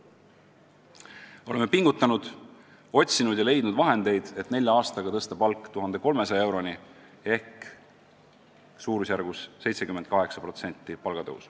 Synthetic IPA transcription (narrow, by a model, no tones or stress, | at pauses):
o̞lemːepiŋɡ̥ut̪ːˑɑnud̪̥ | o̞t̪ʲsinud̪̥jɑle̞jd̪̥nud̪vɑɦe̞nd̪e̞jd̪̥e̞t̪ne̞lʲjɑɑːst̪ɑɡ̥ɑt̪ɤst̪ɑpɑlkːˑt̪uɦɑnd̪̥e̞ko̞lmesɑjɑe̞wɾo̞ni | e̞hk | suːɾusjæɾɡ̥usːe̞jt̪se̞kyme̞nt̪̚kɑɦe̞ksɑpro̞t̪se̞nʲt̪ːˑipɑlɡ̥ɑt̪ɤ̰ṵs